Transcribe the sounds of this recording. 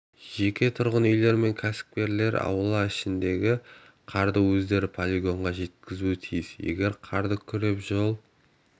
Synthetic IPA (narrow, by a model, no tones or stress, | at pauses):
ʒ̥e̞kʲe̞t̪ʰʊɾʁənʏjle̞ɾme̞ŋkʲʰæsɪ̥p̚kʲe̞ɾle̞ɾɑ̰wəlˠɑɪʃɪnd̪e̞ɡʲɪ | qʰɑɾd̪əwɵzd̪e̞ɾɪpʰolʲiɡo̞ɴʁɑʒe̞t̪kʲɪzuɪt̪ʰijɪsje̞̰ɡʲe̞ɾqʰɑɾd̪əkʲʰʏɾe̞pʒolˠ